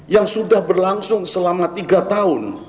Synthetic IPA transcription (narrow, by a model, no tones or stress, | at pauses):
jaŋsudahbərlaŋsʊŋsəlamat̪iɡat̪aʊn